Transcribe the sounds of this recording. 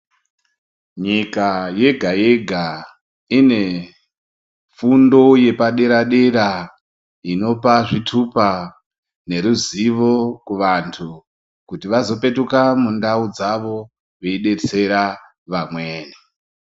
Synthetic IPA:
ɲikaje̞ɡʱaje̞ɡʱa | ine̞ | fundo̞je̞paɗe̞ɾaɗe̞ɾa | ino̞paʐitʰupa | ne̞ɾuziʋo̞kuʋantʰu | kutiʋazo̞pe̞tukamundaud͡zaʋo̞ | ʋe̞iɗe̞t͡se̞ɾa | ʋamwe̞ːni

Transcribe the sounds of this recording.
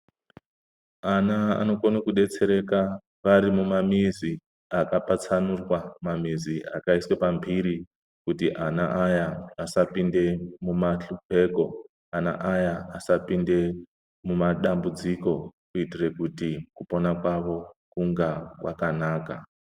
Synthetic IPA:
anaa̰no̞konokuɗe̞t͡se̞ɾe̞ka | ʋaɾimumamizi | akapat͡sanurwamamizia̰kaiswe̞pambʱiɾi | kutiʔanaʔajaːsapinde̞mumaɬupe̞ːko̞ | ana̰ʔajaasapinde̞ | mumaɗambud͡ziko̞kuitire̞kutikupo̞nakwaʋo̞kuŋɡakwakanaːka

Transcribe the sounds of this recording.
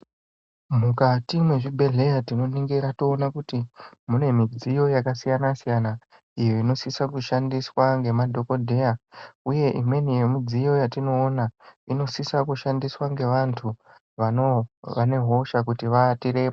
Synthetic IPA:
mukatimwe̞ʐibʱe̞ɮe̞jatino̞niŋɡeɾatoːnakutimune̞mid͡zijo̞jakasijanasijana | ijo̞ino̞sisakuʃandiswaŋɡe̞madʱo̞ko̞dʱe̞jauje̞ʔimwe̞nije̞mid͡zijo̞jatino̞ːnaino̞sisakuʃandiswaŋɡe̞ʋantʰu | ʋanoʋane̞ɦo̞ʃakutiʋatiɾe̞pa

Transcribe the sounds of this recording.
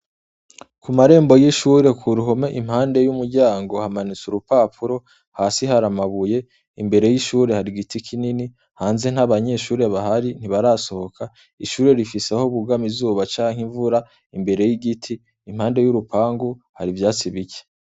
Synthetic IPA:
kumaɾe̞ːmbo̞jiʃuːɾe̞kʰuɾuɦome̞ʔim̥haːnde̞jumuɾɟaːŋɡo̞hamanit͡suɾupaːpuɾo̞ | haːsiɦaɾamaβuje̞ | imbe̞ɾe̞jiʃuːɾe̞haɾiɡitikʰinini | haːnze̞n̥haβaɲe̞ʃuːɾe̞βaɦaɾin̥iβaɾaso̞ho̞kʰa | iʃuːɾe̞ɾifisehoβuɡamizuːβat͡ʃaːŋhiɱvuɾa | imbe̞ɾe̞jiɡitʰiː | m̥haːnde̞juɾupaːŋɡuhaɾivjaːt͡siβice̥

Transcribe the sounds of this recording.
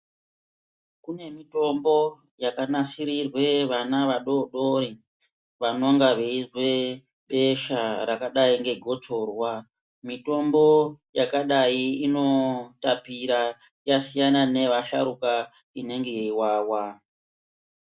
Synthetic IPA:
kune̞mito̞mbo̞ | jakanasiɾirwe̞ʋanaʋaɗoɗo̞ɾi | ʋanoŋɡaʋeizwe̞ | ɓe̞ʃaɾakaɗaiŋɡe̞ɡʱo̞t͡so̞ːrwa | mito̞mbo̞jakaɗaiino̞tapiɾa | jasijanane̞ʋaʃa̰ɾuka | ine̞ŋɡeiwaːwa

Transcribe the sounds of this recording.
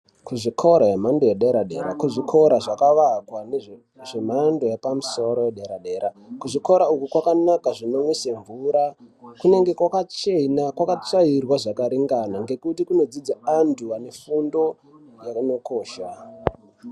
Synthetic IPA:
kuʐikʰoɾajemandojeɗeɾaɗe̞ɾakuʐikʰo̞ɾaʐakaʋakwane | ʐemando̞jepamuso̞ɾo̞jeɗe̞ɾaɗe̞ɾa | kuʐiko̞ɾaukukwakanakaʐino̞mwiseɱvuɾakune̞ŋɡe̞kwakat͡ʃe̞nakwakat͡ʂairwaʐakaɾiŋɡanaŋɡe̞kutikuno̞d͡zid͡zaantʰuane̞fundo̞ | jano̞ko̞ːʃa

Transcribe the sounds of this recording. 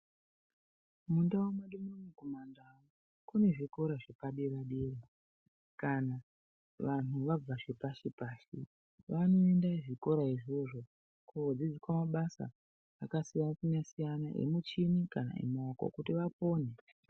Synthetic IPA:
mundawomaɗumoɲikomandawo | kune̞ʐiko̞ɾaʐepaɗiraɗiːri | kana | ʋan̤uʋab͡vaʐepaʃepaːʃḭ | ʋano̞e̞ndaʐiko̞ɾaiʐoʐo̞ | kuod͡zid͡zikwamaɓasa̰ | akasijansinasijanaʔḛmut͡ʃinikana̰ḛmaoko̰kutiʋapo̞ːne

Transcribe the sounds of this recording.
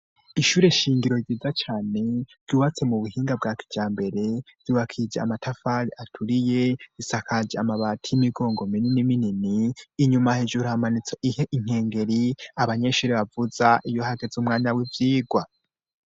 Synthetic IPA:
iʃuːɾe̞ʃiːŋɡiɾoiziːzat͡ʃaːne̞ɾɟuːβat͡se̞muβuhiːŋɡab̚ɡaːki̥d͡ʒ̥aːmbe̞ɾe̞v̥juβakʰid͡ʒea̰matʰafaɾiʔatʰuɾije̞isakʰad͡ʒeamaβatʰijimiɡo̞ːŋɡo̞mininimininiːɲumahed͡ʒuɾuhamanit͡soʔiheʔiŋ̥e̞ːŋɡe̞ɾiaβaɲeʃuːɾe̞βavuzaʔijo̞haɡe̞zumŋaːniawivjiːɡwa

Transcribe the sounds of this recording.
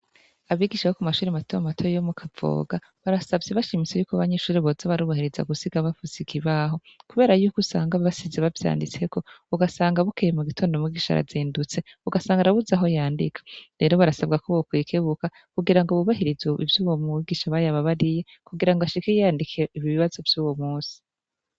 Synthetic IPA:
aβiɡiːʃajokumaʃuːɾimatʰojamatʰojjomukʰavo̰ːɡa | βaɾasabjeβaʃimit͡se̞juːkoaβaɲeʃuːɾiβozaβaɾuːβahiɾiza̰ɡusiɡaβafuzikʰiβaɦo̞ | kuβe̞ːɾajuːkusaːŋɡaβasizeβavja̰ːndit͡se̞ko̞uɡasaːŋɡaβukejemuɡitʰo̞ːndo̞mwiɡiːʃa̰ɾa̰ziːndut͡se̞uɡasaːŋɡaɾaβuzaɦo̞jaːndḭkʰḁɾe̞ɾo̞βaɾasabɡakoβokwikʰeβuka | kuɡiɾaŋɡoβuβahiɾizoḭvjuːwomuiɡiːʃaβajaβaβaɾije̞ | kuɡiɾaŋɡoaʃikejjaːndikʰieiβiβiβazo̞vjuːwo̞muːsi̥

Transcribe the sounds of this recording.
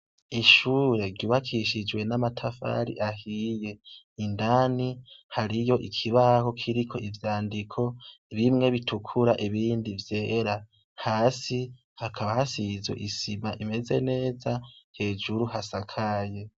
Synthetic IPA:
iʃuːɾe̞ɾɟuβakʰiʃid͡ʒwe̞namatʰafa̰ɾḭʔahije̞ | indanihaɾijo̞ʔikʰiβaho̞kʰiɾikʰo̞ʔivjaːndikʰo̞ | βimŋe̞βitʰukʰuɾaʔiβiːndivje̞ːɾa | haːsi | hakʰaβahasizwḛʔisimaʔime̞ze̞ne̞ːzahe̞ːd͡ʒuɾuhasakʰaje̞

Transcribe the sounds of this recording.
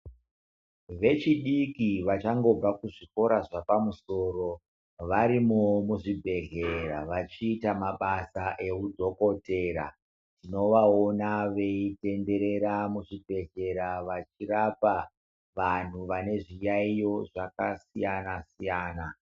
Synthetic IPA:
ʋe̞t͡ʃiɗikiʋat͡ʃaŋɡo̞ɡʱakuʐiko̞ɾaʐapamuso̞ːro̞ | ʋaɾimomuʐibʱe̞ɮe̞raʋat͡ʃiːtamaɓasaʔe̞udʱo̞ko̞te̞ːɾa̰ | tino̞ʋao̞naʋe̞ite̞nde̞ɾe̞ɾamuʐibʱe̞ɮe̞ɾaʋat͡ʃirapa | ʋan̤uʋane̞ʐijaijo̞ʐakasijanasijaːna

